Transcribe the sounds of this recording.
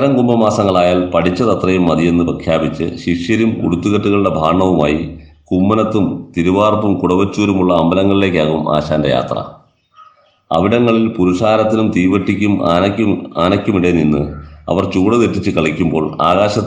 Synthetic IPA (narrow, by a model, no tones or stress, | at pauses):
ɾɐŋɡumbɐmaːsɐŋːɐɭaːjaːlpɐʈit͡ɕːɐt̪ɐt̪rɐjumːɐðije̞nːɨprɐkʰjaːbit͡ɕːɨ̰ɕiʂjɐɾumṵɽut̪ːuɣɐʈːuɣɐɭuɽe̞bʱaːɳɐʋumaːjikumːɐnɐt̪ːumt̪iɾuʋaːrpːumkuɽɐʋɐt͡ɕːuːɾumuɭːɐːmbɐlɐŋːɐɭile̞ːkʲːaːɣuma̰ːɕaːnde̞ja̰ːt̪rɐ̰ | ɐ̰ʋiɽɐŋːɐɭilpuɾuʂaːɾɐt̪ːinumt̪iːʋɐʈːikʲːum | aːnɐkʲːumiɽeninːɨ̰ɐ̰ʋɐrt͡ɕuːɽɐðeʈːit͡ɕːɨkɐɭikʲːumbo̞ːɭa̰ːɣaːɕɐ